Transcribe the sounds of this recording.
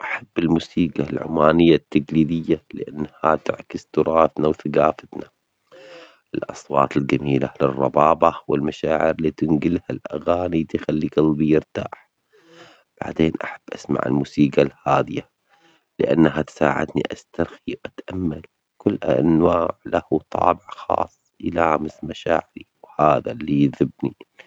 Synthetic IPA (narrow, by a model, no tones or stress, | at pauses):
ʔaħabːɪlmuːsiːɡalʕʊ̰maːnɪjːat̪ːaɡliːd̪ɪjːalɪʔanːhat̪ɪʕkɪzt̪ʊɾˤɑːt̪nawθaɡaːfat̪na | ʔɪlʔɑ̰sˤwɑ̰ːt̪ɪld͡ʒamiːla̰lɪrˤːɑbɑːbɑwɪlmaʃaːʕɪɾlit̪ɪnɡɪlhalʔa̰ɣaːnit̪ɪxalːiɡɑlːbijɪɾt̪a̰ːħ | b̥a̰ʕd̪eːnʔaħab̥ːʔasma̰ʕɪ̰lmuːsiːɡalhaːd̪ɪja | lɪʔa̰nːɦat̪sa̰ːʕɪ̰d̪niʔast̪aɾxiwʔat̪ʔamːal | kʊlːanwaːʕlahut̪ˤɑ̰ːbɪʕxɑ̰ːsˤːjɪlaːmɪsmaʃaːʕɪɾiwhaːðalːijðɪbni